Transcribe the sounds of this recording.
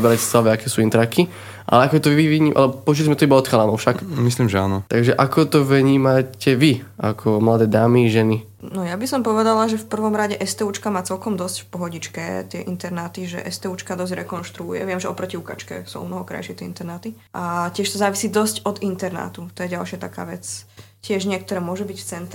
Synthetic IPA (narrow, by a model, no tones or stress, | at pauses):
bɾacɛ̥slaʋɛːakɛːsuːint̪ɾakʰi | ʔa̰lɛakɔt̪ɔʋiʋiʋiɲiːmʔalɛbɔpɔuʒilizmɛt̪ɔibaɔt̪xalaːmɔʊʃakmisliːmʒɛa̰ːnɔt̪aɡʒɛʔakɔt̪ɔʋɲiːmacɛʋiʔa̰kʰɔmlad̪ɛːd̪aːmiʒɛni | nɔjabisɔmpɔʋɛd̪alaʒɛfpr̩ʋɔmɾaɟɛʔɛst̪ɛut͡ʃkamaːt͡sɛlkɔmd̪ɔscfpɔɦɔɟit͡ʃkɛt̪ɪɛ̰ʔint̪ɛɾnaːt̪iʒɛ̰ʔɛst̪ɛut͡ʃkad̪ɔzɟɾɛkɔnʃt̪ɾṵːjɛ̰ʋɪɛmʒɛɔpɾɔciuka̰t͡ʃkɛ̰suːɔ̰mnɔɦɔkɾa̰jʃɪɛt̪ɪɛint̪ɛɾnaːt̪i | ʔacɪɛʃt̪ɔzaːʋisiːd̪ɔscɔd̪int̪ɛɾna̰ːt̪ut̪ɔjɛɟalʃɪat̪aka̰ːʋɛt͡s | cɪɛʒɲɪɛk̚t̪ɔɾɛːmʊɔʒubicft͡sɛnt̪ɾ